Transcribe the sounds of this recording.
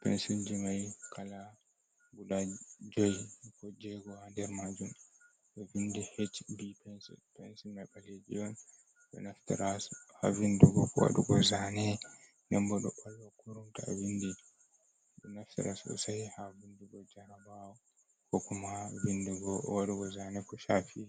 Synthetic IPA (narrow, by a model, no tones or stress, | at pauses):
pɛ̰nsind͡ʒimajkʰala | bulad͡ʒojkɔd͡ʒɛɡɔhandɛɾmad͡ʒum | ɓɛvindihet͡ʃbipɛnsɛ̰pɛnsimajɓaled͡ʒḭɔn | ɓɛ̰naftiɾasha̰vinduɡɔkɔwa̰ɗuɡɔzanɛ | nɛmbɔɗɔ̰ɓɔlwakuɾumtaavindi | bɛnaftiɾa̰sɔ̰saihavinduɡɔd͡ʒaɾabawɔ | kɔkumavinduɡɔwaɗuɡɔzanɛkɔʃafi